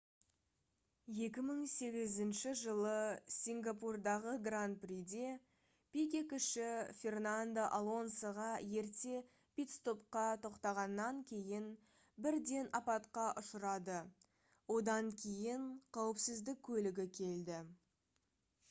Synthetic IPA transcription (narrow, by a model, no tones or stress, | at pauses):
je̞kʲɪməɴse̞ɡʲɪzɪnʃɪʒəlˠəsʲiŋɡapurd̪ɑʁəɡrant̪̚prid̪e̞ | pʲikʲekʲʏʃɪfʲe̞rnand̪oʔalˠo̞nsəʁɑje̞ɾt̪e̞ | pʲit̪st̪o̞p̚qɑt̪ʰo̞qt̪ɑʁɑnːɑŋkʲʰe̞jɪn | bɪɾd̪e̞nɑpɑt̪qɑʔʊʃəɾɑd̪ə | wo̞d̪ɑŋkʲʰe̞jɪɴqʰɑwəpsɪzd̪ɪk̚ʲʰːɵlɪɡʲɪkʲʰe̞ld̪ɪ